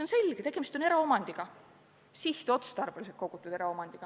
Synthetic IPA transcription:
onse̞lʲɡ̥et̪e̞ɡ̥e̞mist̪one̞ɾɑo̞mɑnʲd̪̥iɡ̥ɑ | siht̪o̞t̪st̪ɑrb̥eluset̪̚ko̞ɡ̥ut̪ːˑud̪e̞ɾɑo̞mɑnd̪iɡ̥ɑ

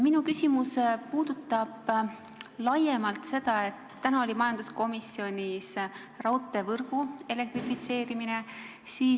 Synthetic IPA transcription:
minukysʲimuspuːd̪̥ut̪ˑːɑb̥ | lɑje̞mɑlt̪se̞d̪̥ɑe̞t̪ːænɑo̞lʲimɑjɑnd̪̥usko̞misːio̞nʲis | rɑwt̪ːˑe̞vɤrɡ̥ue̞le̞kt̪rifit̪se̞ːɾimine̞ | siː

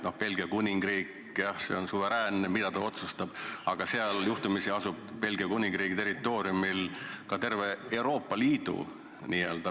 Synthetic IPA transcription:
no̞hpe̞lɡ̥iɑkunʲiŋɡ̥riːk | jɑhse̞̰onsuve̞ɾæːnːemid̪̥ɑt̪ɑo̞t̪sust̪ɑb̥ɑɡ̥ɑseɑljuht̪umisiɑsub̥̚pe̞lɡ̥iɑkunʲiŋɡ̥ɾiːɡ̥it̪eɾit̪ːˑo̞ːɾjumilkɑt̪e̞rve̞e̞wɾo̞ːpːˑɑliːd̪̥ṵ | niːeːld̪̥ɑ

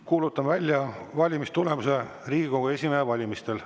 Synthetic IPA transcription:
kuːlut̪ːˑɑmvælʲjɑvɑlʲimist̪ule̞muse | riːɡ̥ikoɡɑe̞sʲimeevɑlʲimist̪e̞l

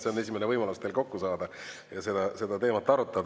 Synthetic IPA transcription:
se̞o̞ne̞s̬ʲimenevɤjmɑlust̪eːlko̞kːusɑːd̪̥ɑ | jɑse̞d̪ɑse̞d̪ɑt̪e̞ːmɑt̪ːˑɑɾut̪ˑːɑd̪

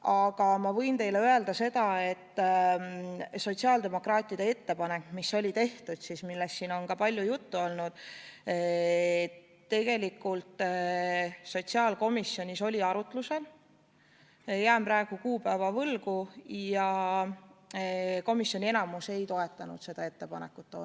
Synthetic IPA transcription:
ɑɡ̥ɑmɑvɤ̞jnt̪e̞jleøe̞ld̪ɑse̞d̪̥ɑe̞t̪ː | so̞t̪ʲsiɑːld̪e̞mo̞krɑːt̪ʲːˑid̪̥ee̞t̪ːe̞pɑne̞kmisːo̞lʲit̪e̞ht̪ud̪̥sismilːest̪ːiːno̞nkɑpɑlʲjujut̪ːuo̞lnud̪̥ | t̪ːe̞ɡ̥e̞likːult̪ | so̞t̪ʲsiɑːlko̞misjo̞nʲiso̞lʲiɑɾut̪ˑluse̞l | jæːmprɑeɡ̥ukuːpævɑvɤlɡujɑ | ko̞misːjo̞nʲie̞nɑmuse̞jt̪o̞e̞t̪ːˑɑnṵd̪se̞d̪̥ɑe̞t̪ːe̞pɑ̰ne̞̰kːut̪ːo̰ː

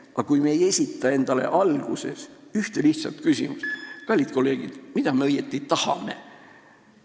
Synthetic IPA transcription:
ɑkujmeje̞sʲit̪ːˑɑe̞nd̪̥ɑle̞̰ʔɑlɡ̥use̞syht̪e̞liht̪sɑ̰lt̪kysḭmust̪kɑlʲːid̪̚ko̞lːe̞ːɡ̥id̪̥mid̪̥ɑmeɤjet̪ːˑit̪ɑhɑ̰me̞̰

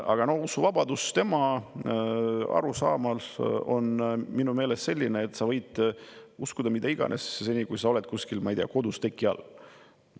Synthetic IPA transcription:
ɑ̰ɡ̥ɑno̞husuvɑbɑd̪ust̪e̞mɑ | ɑ̰ɾusɑːmɑlo̞nminume̞ːlest̪se̞lʲːineːt̪ːsɑvɤjd̪̥uskud̪̥ɑmid̪ɑiɡ̥ɑ̰nʔessenʲikujsɑo̞lɛt̪̚kuskilmɑijt̪ejɑ̰ko̞d̪ust̪e̞kːiɑ̰lː

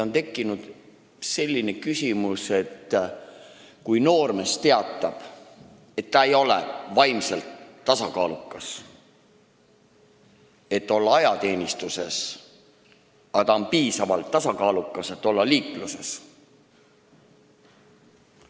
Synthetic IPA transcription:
ont̪e̞kˑːinud̪̥ | se̞lʲːine̞kysʲimuse̞t̪ː | kujno̞ːrmest̪e̞ɑt̪ːˑɑb̥ | et̪ːɑe̞jo̞lḛvɑjmselt̪ːɑsɑkɑːlukːɑs | e̞t̪ːo̞lːɑɑjɑt̪e̞ːnʲist̪use̞s | ɑt̪ɑonpiːsɑvɑlt̪ːɑsɑkɑːlukːˑɑse̞t̪ːo̞lːɑliːkluse̞s

